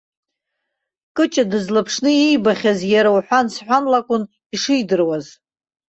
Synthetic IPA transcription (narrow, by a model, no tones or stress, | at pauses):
kʼɨt͡ʃʼadɨzlapʰʂnɨijbaχʲazjaɾawħʷansħʷanlakʷʼʊn | iʂɨjdɨrwaz